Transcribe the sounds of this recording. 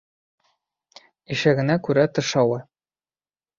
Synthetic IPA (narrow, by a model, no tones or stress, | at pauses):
iʃæɡɘ̆nækʉɾæt̪ɤ̆ʃɑwɤ